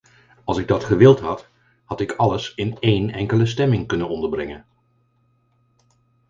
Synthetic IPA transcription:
ɑlˠsɪɡ̚dɑtχəʋɪlˠtɦɑt | hɑtɪkʰɑləsɪnejnɛ̰ŋkələs̬tɛmɪŋkɵnənɔndəɹbrɪŋən

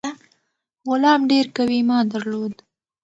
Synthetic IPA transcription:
a | ɣʊlɑmɖeɾkawimɑd̪aɾlod̪

